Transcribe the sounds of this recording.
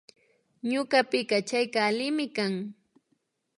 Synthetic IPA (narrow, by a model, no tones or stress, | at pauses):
ɲʊɢapɪkat͡ʃajkaːlɪmɪkaŋ